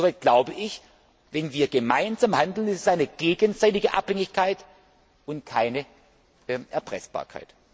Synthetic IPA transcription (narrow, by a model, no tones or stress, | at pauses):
ovaɪt̚ɡ̥laʊbəʔɪç | vɛnviːɐɡəmaɪnzamhandl̩nɪssaɪnəɡ̥eːɡənzaɪtɪɡəʔa̰phɛŋɪçkʰaɪt | ʊntkʰaɪnə | ɛʔɛɐpʁ̥ɛ̰sb̥a̰ːɐkʰa̰ɪt